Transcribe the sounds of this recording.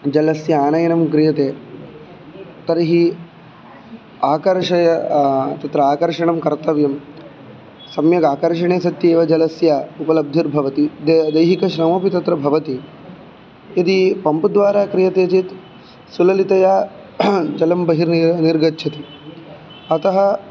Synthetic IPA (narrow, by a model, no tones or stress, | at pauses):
d͡ʒɐlɐsjɐaːnɐjɐnɐmkɾijɐt̪eː | t̪ɐɾɐɦi | aːkɐɾʂɐjɐt̪ɐt̪ɾɐaːkɐɾʂɐɳɐmkɐɾt̪ɐʋjɐm | sɐmjɐɡaːkɐɾʂɐɳeːsɐt̪jeːʋɐd͡ʒɐlɐsjaupɐlɐb̚d̪ʱiɾbʱɐʋɐt̪id̪ɐjɦikɐʃɾɐmɐpit̪ɐt̪ɾɐbʱɐʋɐt̪i | jɐd̪ipɐmpd̪ʋaːɾaːkɾijɐt̪eːt͡ʃit̪ | sulɐlit̪ɐjaː | d͡ʒɐlɐmbɐɦiɾnniɾɡɐtːt͡ʃʰɐt̪i | ɐt̪ɐɦɐ